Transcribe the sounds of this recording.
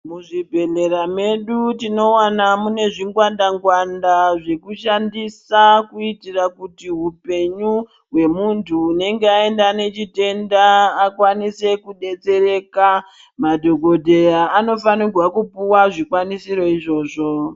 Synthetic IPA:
muʐibʱe̞le̞ɾame̞ɗutino̞wanamune̞ʐiŋɡwandaŋɡwandaʐe̞kuʃandisakuitirakutiɦupe̞ɲu | ɦwe̞muntʰuːne̞ŋɡeae̞ndane̞t͡ʃite̞ndaːkwanise̞kuɗe̞t͡se̞ɾe̞ːka | madʱo̞ɡʱo̞dʱe̞jaːno̞fanirwakupuwaʐikwanisiɾo̞iʐo̞ːʐo̞

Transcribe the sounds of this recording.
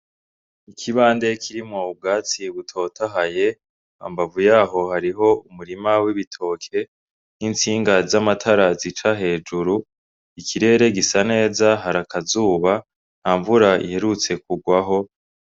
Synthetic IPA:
ikʰiβaːnde̞kʰiɾimŋob̚ɡaːt͡siβutʰo̞ːtʰaɦaje̞ | a̰mbavujaːɦo̞haɾiɦo̞umuɾimawiβitʰo̞ːkʰe̞ | nint͡siːŋɡazamatʰaɾazit͡ʃaɦe̞ːd͡ʒuɾu | ikʰiɾe̞ːɾe̞ɡisane̞ːzaɦaɾakʰazuːβa | n̥haːɱvuɾaḭhe̞ɾut͡se̞k̚uɡwaɦo̞

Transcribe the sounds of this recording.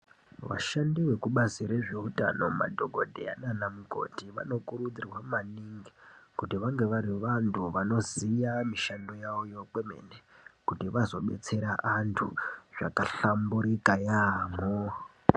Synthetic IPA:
ʋa̰ʃandiwe̞kuɓasiɾe̞ʐeuta̰no̞ma̰dʱo̞ɡʱo̞dʱeananamuko̞̰tiʋa̰no̞kuɾud͡zirwamaniŋɡikutiʋaŋɡe̞ʋaɾiʋantʰuʋano̞zijamiʃando̞jaojo̞kwe̞me̞̰nekutiʋazo̞ɓe̞̰t͡se̞ɾaʔantʰuʐ̥a̰kaɬambuɾikajaːmo

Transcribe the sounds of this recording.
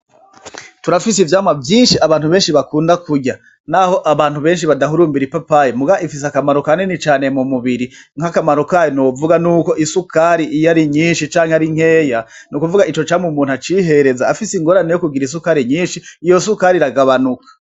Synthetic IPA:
tuɾafisivjaːmwavjiːnʃiaβaːnhuβe̞ːnʃiβakuːndakuɟa | naho̞ʔaβaːn̥huβe̞ːnʃiβadaɦuɾuːmbiɾipapajemuɡaaifis̬akamaɾokanenit͡ʃaːne̞mumuβiɾiŋ̥hakamaɾokajonoːvuɡanuːko̞ʔisukaɾiʔijaɾiɲiːnʃit͡ʃaːŋheaɾiŋ̥heːjanukuvuɡait͡ʃot͡ʃaːmumuːn̥at͡ʃiːɦe̞ɾe̞zaːfisiŋɡo̞ːɾane̞jokuɡiɾis̬ukaɾiɲiːnʃiːjo̞sukaɾiɾaɡaβanukʰḁ

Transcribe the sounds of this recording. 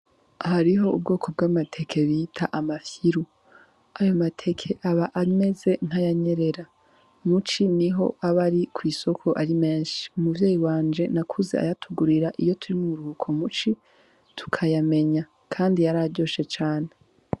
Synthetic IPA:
haɾiɦo̞ub̚ɡo̞ːkʰo̞b̚ɡaːmatʰe̞kʰe̞βitʰaʔamafiɾu | ajo̞matʰe̞kʰe̞ʔaβaʔame̞ze̞n̥hajaɲe̞ɾe̞ɾa | mut͡ʃiniɦo̞̰aβaɾikwiːso̞kʰo̞ʔaɾimeːnʃi̥umuvje̞ːjiwaːnd͡ʒe̞nakʰuzḛa̰jatʰuɡuɾiɾaʔijo̞tʰuɾimuɾuhukʰo̞mut͡ʃi | tʰu̥kʰajame̞ɲa | kʰaːndijaɾaɟo̞ːʃe̞t͡ʃaːne

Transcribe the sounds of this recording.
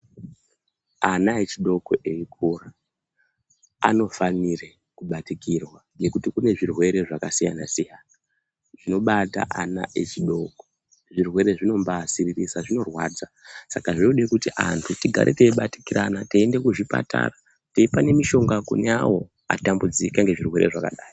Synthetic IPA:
anaet͡ʃiɗo̞koʔeik̚ʰura | a̰no̞fanire | kuɓatikirwaŋɡe̞kutikune̞ʐirwe̞ɾe̞ʐakasija̰na̰sijaːna | ʐ̥ino̞ɓata̰ʔana̰ʔet͡ʃiɗo̞ko̥ | ʐirwe̞ɾe̞ʐino̞mbasiririsaʐino̞rwaːd͡za | sakaʐiuɗekutiʔa̰ntʰutiɡʱa̰ɾʔe̞̰teiɓati̥kiɾanateːnde̞kuʐipa̰ta̰ra | teipane̞miʃo̞ŋɡakṵneawo̞ | a̰tambud͡zikaŋɡe̞ʐirwe̞ɾe̞ʐakaɗaːjo

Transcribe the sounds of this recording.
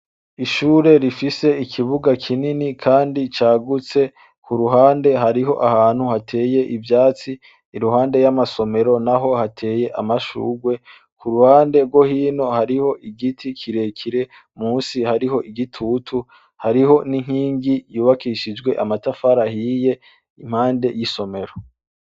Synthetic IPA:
iʃuːɾe̞ɾifise̞ikʰiβuɡakʰininikʰaːndit͡ʃaːɡut͡se̞ | kʰuɾuɦaːnde̞ɦaɾiɦo̞ʔahaːn̥huhatʰe̞ːje̞ʔivjaːt͡siː | ɾuɦaːnde̞jamaso̞me̞ɾo̞naɦo̞hatʰe̞ːje̞ʔa̰maʃṵːɡwe̞ | kuɾuhaːnde̞ɾɡwo̞hiːno̞haɾiho̞ʔiɡitʰikʰiɾe̞kʰiɾe̞ | muːnsihaɾiɦo̞ʔiɡitʰutʰu | haɾiɦo̞niŋ̥hiːŋɡijuːβakiʃid͡ʒɡwe̞ʔamatafaɾahiːje̞ | im̥haːnde̞jiso̞me̞ɾo̞

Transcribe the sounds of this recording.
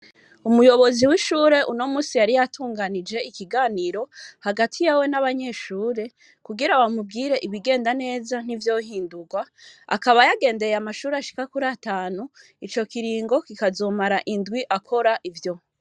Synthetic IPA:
umujo̞βo̞ziwiʃuːɾe̞ʔuno̞muːsijaɾijatʰuːŋɡanid͡ʒe̞ikiɡaːniːɾo̞haɡatʰijawe̞naβaɲe̞ːʃuːɾe̞ | kuɡiɾawamubɡiːɾe̞ʔiβiɡe̞ːndane̞ːzan̥ivjo̞ɦiːnduɡwaa̰kaβajaɡe̞ːnde̞jeamaʃuːɾeaʃi̥kakuɾaːtaːnu | it͡ʃo̞kiɾiːŋɡo̞kikazomaɾaʔindwiʔakʰo̞ɾaʔivjo̞

